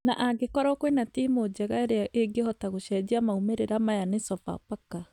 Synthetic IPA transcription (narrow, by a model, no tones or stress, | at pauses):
naʔaɡekɔɾɔkwenatimod͡ʑɛɣaeɾeaʔeɡehɔtaɣoɕɛd͡ʑiamaumeɾeɾamajanesɔpa̰paka